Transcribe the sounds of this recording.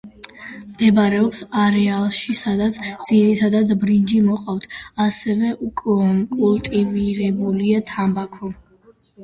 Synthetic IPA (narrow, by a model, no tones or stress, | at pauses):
md̪̥ɛbaɾɛɔpsaɾɛalˠʃisad̪at̪sʰd̪ziɾit̪ʰad̪ad̪bɾind͡ʒimɔqʼavt̪ʰasɛvɛʔukʼɔnkʼulˠt̪ʼiviɾɛbuliat̪ʰambakʰɔ